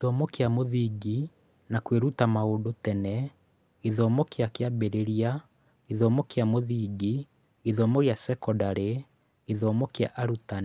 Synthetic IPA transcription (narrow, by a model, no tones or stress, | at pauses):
iðɔmɔkjamoðiɡi | nakweɾutamaodotɛnɛ | iðɔmɔkeakeabeɾeɾia | iðɔmɔkeamoðiːɡi | iðɔmɔɣeasɛkɔdaɾe | iðɔmɔkea̰ʔaɾutan